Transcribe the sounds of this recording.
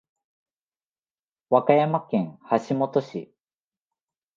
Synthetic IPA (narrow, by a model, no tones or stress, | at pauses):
βakajamakẽ̞ŋ̃haɕimo̞t̪o̞ɕḭ